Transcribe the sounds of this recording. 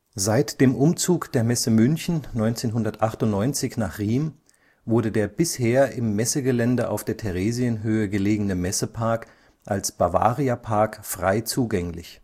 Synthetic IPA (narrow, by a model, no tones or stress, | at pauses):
zaɪtd̥eːmʔʊmt͡suːkd̥eːɐmɛsəmʏnçn̩nɔʏnt͡seːnɦʊndɐtʔaχtʊntnɔʏnt͡sɪçnaːχʁiːm | vʊɐdədeːɐbɪsheːɐɪmːɛsəɡəlɛndəʔa̰ʊfd̥eːɐtʰɛʁeːziənɦøːəɡəleːɡənəmɛsəpʰaɐk | ʔalsb̥ava̰ːʁiapʰaɐkfʁ̥aɪt͡suːɡɛŋlɪ̰ç